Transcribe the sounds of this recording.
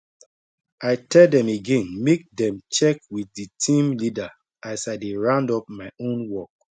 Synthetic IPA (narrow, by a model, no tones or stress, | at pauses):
aɪtʰɛldɛ̃meɡɛ̃nmek̚dɛ̃mt͡ʃɛkwiθditʰĩmlida | asaɪdeɹãndɔp̚maɪõnwɔk̚